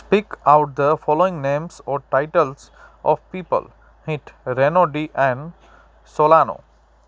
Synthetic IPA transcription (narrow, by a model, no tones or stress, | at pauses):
pikawʈ̚d̪əfʰɔloĩŋnemsɔʈajʈəls | ʔɔ̰fpipə̰l | hĩʈɾenoɖiʔɛ̃n | solano̰